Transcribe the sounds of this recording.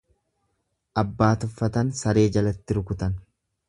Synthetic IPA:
ʔɐbːaːt̪ʊfːɐt̪ɐnsɐɾe̞ːd͡ʒɐlɐt̪ːɪɾʊkʊt̪ɐn

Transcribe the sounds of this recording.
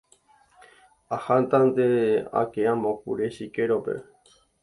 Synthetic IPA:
ahant̪and̪ea̰keãmõkṵɾeʃikeɾopḛ

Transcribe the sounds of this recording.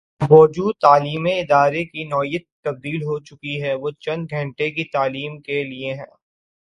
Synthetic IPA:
mɔːd͡ʒuːd̪̚t̪aːliːmẽɪd̪aːɾekinɔːijət̪̚ːɐb̚d̪iːlɦot͡ʃʊkiɦɛʋot͡ʃɐ̃nd̪ɡʱɐ̃ɳʈekit̪aːliːmkelieɦɛ̰̃ː

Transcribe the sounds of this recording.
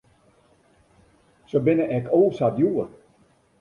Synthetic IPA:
sobɪnəʔɛkʰoːsatjuər

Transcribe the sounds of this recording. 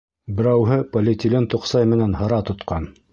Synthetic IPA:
bɘ̆ɾæwɦɤpɐlʲɪt̪ʲɪlʲent̪ŏqsɑjmɘ̆nænɦɤ̆ɾɑt̪ŏt̪qɑn

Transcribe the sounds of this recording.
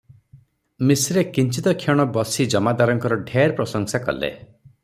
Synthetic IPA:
misɾekint͡ʃit̪ɔkʰjɔɽ̃ɔbɔsid͡ʒɔmad̪aɾɔŋkɔɾɔɖʱeɾpɾɔsɔŋsakɔ̰lḛ

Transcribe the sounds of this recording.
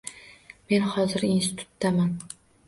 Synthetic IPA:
me̞nhɒzɪɾinst̪ɪ̥t̪ʰʊ̥t̪ːaman

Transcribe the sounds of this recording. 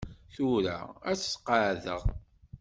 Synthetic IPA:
θuɾa̰æt͡sːsqəʕðə̰ʁ

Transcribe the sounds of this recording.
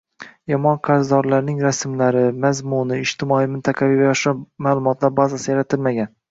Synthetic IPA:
jɒmɒnqʰɑɾzd̪ɒɾlaɾnɪŋɾasmlaɾɪmazmʊnɪɪd͡ʒt̪ʰɪmɒijmɪnt̪ʰaqʰɑvijvajɒʃamaːlˠʊmɒt̪ʰlaɾbazasɪjaɾat̪ʰɪlmaɡʲan

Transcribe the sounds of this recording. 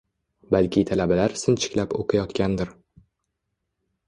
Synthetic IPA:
balkʲɪt̪ʰalabalaɾsɪnt͡ʃʰɪ̥kʲlapo̰qʰɑjɒt̪kʲand̪ɪɾ

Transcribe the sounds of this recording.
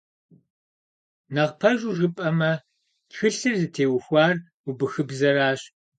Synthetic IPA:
nɐʁpʰɐʒuʒɪpʼɐmɐ | txɨɬɨrzɨtʰeːwʊxʷɑːr | ubɨxɨbzɐɾaːɕ

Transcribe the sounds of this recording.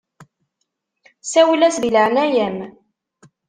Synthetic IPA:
sæwəlæsðiləʕnæjæm

